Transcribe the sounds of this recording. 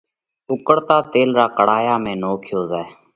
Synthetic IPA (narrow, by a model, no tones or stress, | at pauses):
ʊkəɽt̪aːt̪eːlɾaːkəɽ̤aːjaːmẽːnoːkʰjoːzaːe